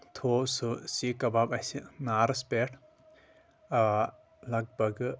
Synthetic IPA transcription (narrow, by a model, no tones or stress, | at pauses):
t̪ʰosusikɐbabajsinaɾɐspeʈ | lɐɡ̚bɐɡ